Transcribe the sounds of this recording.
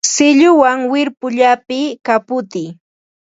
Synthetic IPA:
sɪʎʊwaŋwɪɾpʊʎapɪkapʊt̪ɪ

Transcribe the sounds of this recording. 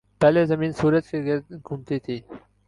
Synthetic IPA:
pɛlezɐmiːnsuːɾɐt̪keɡeɡumt̪it̪ʰiː

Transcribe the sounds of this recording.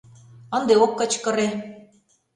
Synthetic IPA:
ə̆nd̪eokːə̆t͡ɕkə̆ɾe

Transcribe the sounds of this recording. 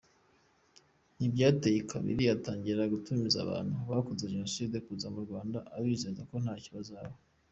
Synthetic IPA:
nibɟaːtajikʰaβḭɾiataːɲɟiɾɾaɡutumiza̰βa̰ːn̥huβakunzeʒeno̞siːdekuzamuɾɡwaːndaʔaβiːzezako̞n̥haːciβazaβo

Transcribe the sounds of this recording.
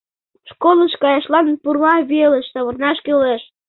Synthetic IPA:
ʃkolˠəʃkɑjɑʃlɑnpurlɑβeləʃsɑβɤ̆rnɑʃkøleʃ

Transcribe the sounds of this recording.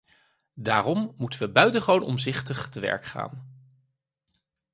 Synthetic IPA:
daːrɔmːutənʋəbœɥtəχʋownɔ̰mzɪχtəχtəʋɛ̰ɹkχa̰ːn

